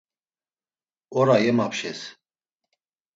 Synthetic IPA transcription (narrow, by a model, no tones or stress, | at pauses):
ɔɾajɛmapʃɛs